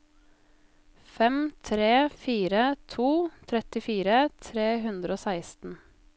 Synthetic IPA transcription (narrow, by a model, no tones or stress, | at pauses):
fɛmt̪ʰɾeːfiːɾət̪ʰuːt̪ʰɾɛt̪ɪfiːɾət̪ʰɾeːɦʉnd̪ɾəoːsæɪst̪n̩